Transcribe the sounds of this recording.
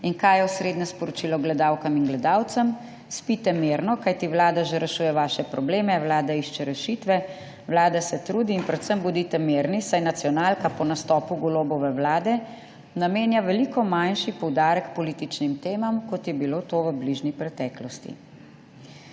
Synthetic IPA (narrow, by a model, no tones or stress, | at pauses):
inkajɛwsɾeːd̪nɛspɔɾɔt͡ʃiːlɔɡlɛd̪aːwkaminɡlɛd̪aːwt̪sam | spit̪ɛmeːɾnɔkajt̪iʋlaːd̪aʒɛɾɛʃuːjɛʋaːʃɛpɾɔbleːmɛwlaːd̪aiʃt͡ʃɛɾɛʃit̪ʋɛ | wlaːd̪asɛt̪ɾuːd̪iːnpɾɛt̪səmbud̪it̪ɛmeːɾnisajnat̪sijɔnaːlkapɔnast̪ɔːpuɡɔloːbɔʋɛʋlaːd̪ɛ | nameːnjaʋɛlikɔmanʃipɔwd̪aːɾɛkpɔliːt̪it͡ʃnimt̪eːmamkɔt̪jɛbiloːt̪oːʋəbliʒnipɾɛt̪ɛːklɔst̪ḭ